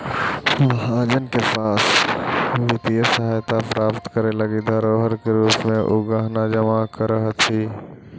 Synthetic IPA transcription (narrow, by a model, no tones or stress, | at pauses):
mɦaːd͡ʒənkepaːs | ʋɪt̪ijəsəɦaːjt̪apɾaːpt̪kəɾelɐɡid̪ʱəɾoːɦəɾkeɾuːpmẽʔʊɡaɦnad͡ʒəmakəɾəɦət̪ʰiː